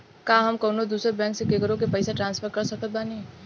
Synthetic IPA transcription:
kaːɦɐmkɔːnod̪uːsɾebɛ̃ːŋksekekəɾõkepɛɪseʈɾãːnsfʰəɾkɐɾsɐk̪̚əbaːni

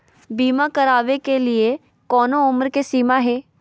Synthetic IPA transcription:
biːmakəɾaːʋekelɪe | kɔːnoʊmɾkesiːmaɦeː

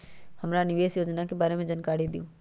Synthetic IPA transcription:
həmɾanɪʋeːsjoːd͡ʒnakebaːɾemẽd͡ʒənkaːɾid̪ijũː

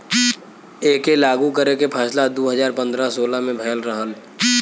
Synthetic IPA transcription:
eːkelaːɡukəɾekepʰɛːslad̪oːɦəzaːɾpə̃nd̪ɾasoːlamẽbʱɛːəlɾəɦəl

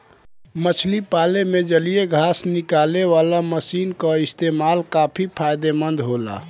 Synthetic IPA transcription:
mət͡ʃʰlipalemed͡ʒəlijeɡʱasnikaleʋalaməsiːnkəist̪emalkapʰipʰajd̪emənd̪ɦola̰

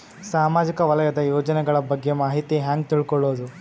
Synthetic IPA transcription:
saːmaːd͡ʒikɐʋɐlɐjɐd̪ɐjoːd͡ʒɐnɛɡɐɭɐbɐɡːe̞maːɦit̪iɦaːŋɡt̪iɭkɔɭːoːd̪u

